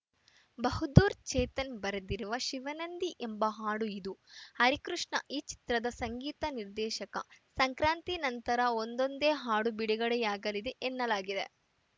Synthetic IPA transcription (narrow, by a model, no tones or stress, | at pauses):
bɐɦud̪uːɾt͡ʃɛːt̪ɐnbɐɾɐd̪iɾuʋɐʃiʋɐnɐnd̪iʔembɐɦaːɽuid̪uhɐɾikɾuʂɳɐʔiːt͡ʃi̥t̪ɾɐd̪ɐsɐŋɡiːt̪ɐniɾd̪ɛːʃɐkɐ̰sɐŋkɾaːnt̪inɐnt̪ɐɾɐond̪o̞nd̪eːɦaːɽubiɽiɡɐɽɛjaːɡɐlid̪eʔɛnːɐlaːɡid̪e̞̰